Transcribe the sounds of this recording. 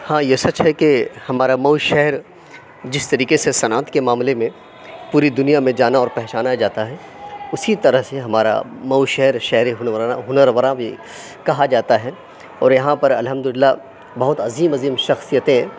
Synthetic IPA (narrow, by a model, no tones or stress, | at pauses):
hãːjesɐt͡ʃɦɛkehɐmaːɾamɐwʃɛɦɾ | d͡ʒɪst̪ɐɾiːkesesɐnaːt̪kemaːmlemẽ | puːɾid̪ʊnijamẽd͡ʒaːnaɔːɾpɛɦt͡ʃaːnad͡ʒaːt̪aɦɛ | ʊsit̪ɐɾəɦseɦɐmaːɾa̰mɐwʃɛɦɾʃɛɦɾeɦʊnɦʊnəɾʋəɾãbʱḭ | kɐɦad͡ʒaːt̪aɦɛ | ɔ̰ːɾjɐɦãpɐɾɐ̰lɦɐmd̪ʊlɪlːa | bɐɦʊt̪ɐziːmɐziːmʃɐxsijət̪ẽɦɛ̃ː